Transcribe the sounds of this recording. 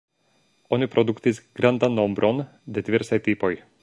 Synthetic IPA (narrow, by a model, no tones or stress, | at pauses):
ɔnipɾɔd̪ukt̪izɡ̥ɾand̪anːɔmbɾʔɔn | d̪ɛt̪ʋʲiɾsajt̪ipɔj